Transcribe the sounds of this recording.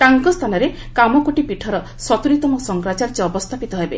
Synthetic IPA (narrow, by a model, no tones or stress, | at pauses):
t̪aŋkɔst̪ʰanɔɾe | kamɔkoʈipiʈʰɔɾɔ | sɔt̪uɾit̪ɔmɔsɔŋɡɾat͡ʃaɾd͡ʒiɔbɔst̪ʰapit̪ɔɦejbe